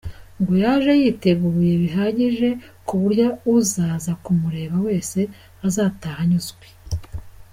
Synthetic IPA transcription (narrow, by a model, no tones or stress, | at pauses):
ŋɡojaːʒe̞jiːte̞ɡuujeβiɦaɟiʒe̞ | kuβuɾjauzaːzakumuɾe̞ːβawe̞ːse̞ | azaːtaːhaɲuzɡwe